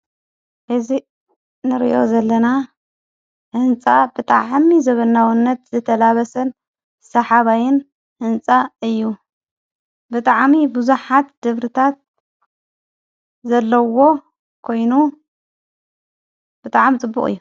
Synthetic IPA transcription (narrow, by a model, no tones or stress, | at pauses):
hɨzi | nɨɾḭʔo̞̰zɐlːɐna | hɨnt͡sʼabɨt̪ʼaʕmizɐβɐnːawɨnːɐt̪zɨt̪ʰɐlaβɐsɐn | sɐħaβajɪn | hɨnt͡sʼaɨjːu | bɨt̪ʼaʕmibuzuħat̪d̪̥ɨβɾɨt̪ʰat̪̚ | zɐlːɐwo̞ | kʰo̞jnu | b̥ɨt̪ʼaʕmit͡sʼɨbːṵχʼɨ̰jːu